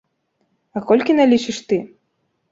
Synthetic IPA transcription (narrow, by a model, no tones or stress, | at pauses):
ɐkɔlʲkʲinalʲit͡ʃiʂt̪ɨ